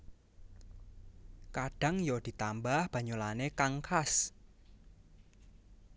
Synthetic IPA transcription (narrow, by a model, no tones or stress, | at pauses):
kaɖ̥a̤ŋjɔd̪̥i̤t̪ambahb̥ä̤ɲolanekaŋkʰas